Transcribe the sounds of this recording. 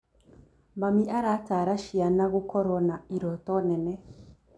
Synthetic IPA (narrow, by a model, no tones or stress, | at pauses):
mamiʔaɾataɾaʃianaɣukʰɔɾɔnaiɾɔtɔnɛnɛ